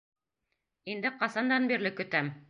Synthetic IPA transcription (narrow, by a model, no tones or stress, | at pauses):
ind̪ɘqɑsɑnd̪ɑnbiɾlɘkɵ̆t̪æm